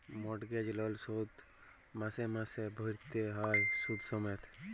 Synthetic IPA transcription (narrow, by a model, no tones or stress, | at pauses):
mɔʈɡed͡ʒlɔlsod̪ | masemasebʱɔɾt̪eɦɔjsud̪ʱsɔmet̪ʰ